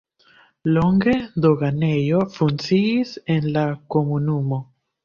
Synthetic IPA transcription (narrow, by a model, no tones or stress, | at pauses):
loŋɡed̪oɣanejofunsiːsenlakomunumo